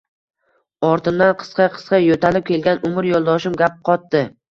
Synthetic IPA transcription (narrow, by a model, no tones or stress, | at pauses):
ɒɾt̪ʰɪmd̪anqʰɨ̥sqɑqʰɨ̥sqɑjot̪ʰalɪp̚kʲʰe̞lɡʲanʔʊmɪɾjɒlˠd̪ɒʃɪmɡʲap̚qʰɒt̪̚d̪ɪ